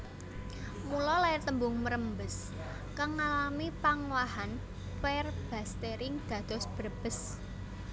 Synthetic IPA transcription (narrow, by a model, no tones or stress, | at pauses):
mulɔlaɛrt̪əmbʊŋməɾəmbəs | kaŋːalamipaŋwaɦan | pɛrb̥ä̤st̪eɾɪŋd̪̥ä̤d̪̥ɔ̤sb̥əɾəb̥əs